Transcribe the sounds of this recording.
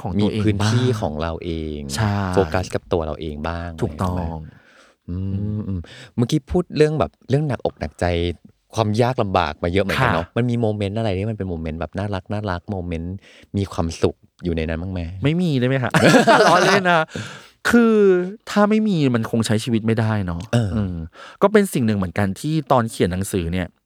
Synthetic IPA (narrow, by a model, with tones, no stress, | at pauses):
kʰɔː˩˦ŋmiu˧ʔeː˧ɯː˦˧˥nt̪ʰːiː˥˩kʰɔ̰ː˩˦ŋɾa˧wʔeː˧ŋt͡ɕʰa˥˩foː˧ka˦˥ska˨˩p̚t̪u˧ɐɾa̰˧wʔeː˧ŋbaː˥˩ŋʰuː˨˩kt̪ɔ˧˥˩ŋ | ʔɯː˧ʔɯː˧mma˧˥ŋkiː˦˥pʰuː˥˩t̪̚ɾɯ˥˩əŋbɛː˨˩p̚ɾɯ˥˩əŋna˨˩k̚ʔo˨˩k̚na̰˨˩k̚t͡ɕa˧j | kʰwaː˧mjaː˥˩k̚la˧mba̰ː˨˩k̚maː˧jɤ˦˥m˨˩˦ka˧nɔ˦˥ma˧nmiː˧moː˧me˦˥nʔa˧ɾa˧jt̪ʰiː˥˩m˧npe˧nmoː˧me˦nbɛː˨˩p̚naː˥˩ɾa˦˥k̚naː˥˩ɾa˦˥k̚moː˧me˦˥n | miː˧kʰwaː˧msu˨˩k̚ | juː˨˩na˧jna˦nmaː˥˩ŋmaː˧˩ma˥˩jmiː˧daː˥˩jma˦jkʰa˦˥ʔa˥˩lɔ˦˥leː˥˩na˦˥ | kʰɯː˧t̪ʰaː˥˩ma˥˩jmiː˧ma˧nkʰo˧ŋt͡ɕʰa˦˥jt͡ɕʰiː˧wi˦˥t̪̚ma˥˩jda˥˩jnɔ˦˥ʔʔɤː˧ʔɯː˧˩mkɔː˥˩p̬e˧nsi˨˩ŋnɯ˨˩ŋmɯ˩˦ə˦nka˧nt̪ʰiː˥˩t̪ɔː˧nkʰi˨˩ənːa˩˦ŋsɯː˩˦ni˥˩ɐ